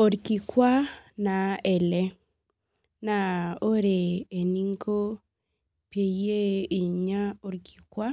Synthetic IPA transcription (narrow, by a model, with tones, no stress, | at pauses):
o˨ɾki˨kwa˦na˨ɛ˨lɛ˦ | na˨o˦ɾeː˨ni˦ŋɡo˦ | pje˨je˦i˨ɲa˦o˨ɾkʰi̥˨kwa˦